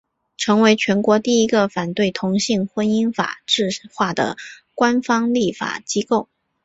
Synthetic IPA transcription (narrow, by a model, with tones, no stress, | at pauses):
ʈ͡ʂʰɤ˧˥ŋwe˧˥ɪt͡ɕʰɥɛ˧˥nkwɔ˧˥t̪i˥˩i˧˥ɡə˧fa˨˩nt̪we˥˩ɪt̪ʰʊ˧˥ŋɕi˥˩ŋxwə˥ni˥nfa̰˨˩ʈ͡ʂɻ̩˥˧ʂ̩˨˩xwa˥˩d̪ə̰˩kwa˥nfɑ˥ŋli˥˩fa̰˨˩t͡ɕi˥ko˥˩ʊ